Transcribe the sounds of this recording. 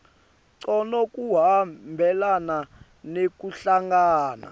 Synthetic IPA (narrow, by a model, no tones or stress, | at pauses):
ǀɔnɔk̬ʼuɦambʱɛlana | nek̬ʼuɬaŋɡaːna̰